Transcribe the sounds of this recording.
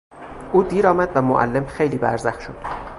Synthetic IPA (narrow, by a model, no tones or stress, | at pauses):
ʔuːd̪iːɾɒːmæd̪væmoʔæ̰lːe̞mxe̞jliːbæ̰ɾzæxʃod̪̥